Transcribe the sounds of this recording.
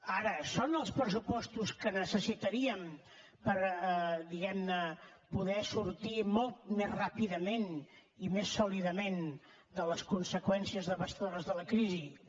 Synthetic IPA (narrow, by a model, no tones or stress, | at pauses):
aɾəsonəlˠspɾəsupɔst̪uskənəsəsit̪əɾiəm | pəɾd̪iɣɛmnəpuðɛsuɾt̪imɔlˠt̪̚mezrapiðəmen | imesːuliðəmen | d̪ələskunsəkwɛnsiəzðəβəst̪əðoɾəzðələkɾizi